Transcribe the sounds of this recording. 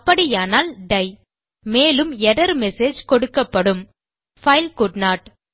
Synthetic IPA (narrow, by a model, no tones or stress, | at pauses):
pːɐɽijaːnaːlɖɐɪ | meːlɯmɛɽɐɾmɛseːd͡ʒkɔɽɯkːɐpːɐɽɯm | fɐɪlkʊɖnaːʈ